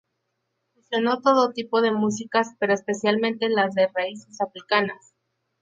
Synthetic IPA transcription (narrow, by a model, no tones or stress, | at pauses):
fusjo̞no̞t̪o̞ðot̪ipoð̞e̞mus̬ikaspe̞ɾo̞espe̞sjalmẽ̞nt̪e̞lazðe̞raise̞safɾikanas